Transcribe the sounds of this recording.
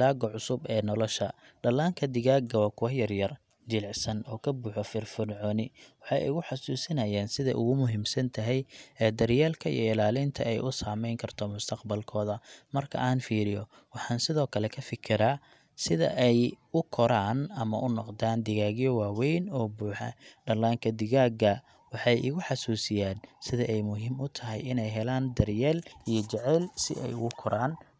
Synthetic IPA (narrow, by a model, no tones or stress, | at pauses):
laːɡɔʕʊsʊbɛːnɔlɔʃɐ | ɖɐlaːŋkʰɐd̪ɪɣaːɡɐwɐkʰʊwɑħjɐrjɐr | d͡ʒɪlʕsɐnɔːkʰɐbuːħɔfɪrfɪnʕɔːnɪwɑħɑjʊ̰ɣʊħɑsuːsɪnɐjaːnsɪðɛ̰jʔʊɣʊmʊɦimsɐnt̪ʰɐɦɛjɛːd̪ɐrjaːlkʰɐḭjɔɪlaːlɪnt̪ʰɐɛjʔʊsaːmɛjŋkʰɐrt̪ʰɔmʊst̪ʰɐqbɐlkʰɔːðɐmɐrkʰɐ̰ʔaːnfiːɾɪjɔ | wɑħɑːnsɪðɔːkʰɐlɛkʰɐfɪkʰɪɾaː | sɪðɐ̰ʔɛjʊkʰɔɾaːnɐmɐʔʊnɔqd̪aːnd̪ɪɣaːɣɪjɔwaːwɛjnɔːbuːħɛ̰ɖɐlaːŋkʰɐd̪ɪɣaːɡɐ | wɑħɑjɪɣʊħɑsuːsɪjaːnsɪðɐʔɛjmʊɦimʊt̪ʰɐɦɛ̰jɪnɛjɦɛlaːnd̪ɐrjɛːlijɔt͡ʃɛʕɛlsɪ̰ʔɛ̰jʊ̰ɣʊkʰɔɾaːn